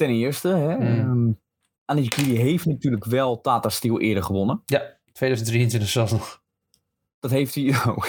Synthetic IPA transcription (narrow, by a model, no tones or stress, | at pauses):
tɛnɪərstəɦɛə | anikidiɦejftnatyːələkʋɛlˠtaːtastilˠʔɪ̰ədərχəʋonəja | tʰʋeːdœːzən̩driəntʋɪntəxsɛlˠsnɔx | d̥ɔtɦeːftiok